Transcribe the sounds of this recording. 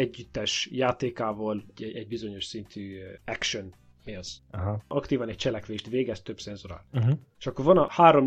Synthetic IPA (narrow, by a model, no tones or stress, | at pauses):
ɛɟːyt̪ːɛʃjaːt̪eːkaːvɒlɛɛɟ̚bizo̞ɲo̞ʃsint̪ʰyːɛkʃøn | neːlsɦɒkt̪iːvɒnɛc̚t͡ʃɛlɛkʋeːʃt̪veːɡɛst̪ø̞bsɛnzoɾa̰ːlɦeʃɒkːoɾvɒnɒhaːɾo̞m